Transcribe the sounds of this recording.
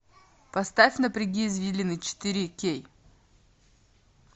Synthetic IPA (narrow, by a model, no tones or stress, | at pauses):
pɐst̪afʲnəpɾʲɪɡʲiːzvʲilʲɪnɨt͡ɕɪ̥t̪ɨɾʲikʲej